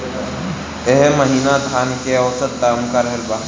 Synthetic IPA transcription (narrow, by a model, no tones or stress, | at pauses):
eɦeməɦiːnat̪ʰaːnkeowsət̪ːaːmkaɾɦelba